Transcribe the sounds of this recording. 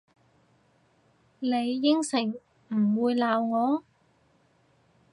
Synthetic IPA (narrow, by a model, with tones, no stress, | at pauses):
le˨˧jːɪ˥ŋsɪ˨˩ŋ | m̩˨˩wuː˨˧jlaː˨wŋɔː˨˧